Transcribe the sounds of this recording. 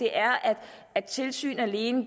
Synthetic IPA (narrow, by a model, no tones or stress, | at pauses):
e̝ʔæɐʔæd̥ | æd̥̚t͡sʰe̝lsy̰ːnæle̝ːnə